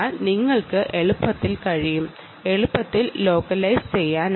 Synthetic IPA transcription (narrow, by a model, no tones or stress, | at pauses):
niŋːɐɭkɨʔeɭupːɐt̪ːilkɐɻijum | e̞ɭupːɐt̪ːilːo̞ːkɐlɐjst͡ɕejːaːn